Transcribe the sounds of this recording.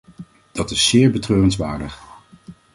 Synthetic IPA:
d̥ɑtɪsːɪːɹbətrøːrənzʋaːɹdəχ

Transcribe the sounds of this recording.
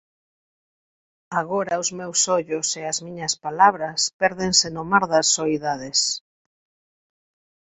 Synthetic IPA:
aɣoɾɐʊzmewsoʎʊseazmĩɲɐspalaβɾɐspɛɾðeŋsenomaɾðɐsːoiðaðes

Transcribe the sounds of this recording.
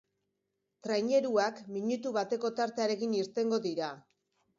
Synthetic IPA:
t̪ɾajɲe̞ɾuakmiɲut̪uβat̪e̞ko̞t̪aɾt̪eaɾe̞ɣiniɾt̪e̞ŋɡo̞ðiɾa

